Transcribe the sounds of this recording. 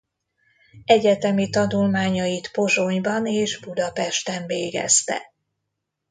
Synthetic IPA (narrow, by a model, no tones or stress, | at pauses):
ɛɟɛt̪ɛmit̪ɒnulmaːɲɒjit̪po̞ʒoɲbɒneːʒbud̪ɒpɛʃt̪ɛɱveːɡɛ̰st̪ɛ̰